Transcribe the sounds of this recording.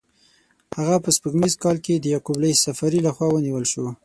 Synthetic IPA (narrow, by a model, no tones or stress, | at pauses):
haɣapəspəɡmizkɑlked̪əjakublajsafaɾilaxwɑwəniwəlʃo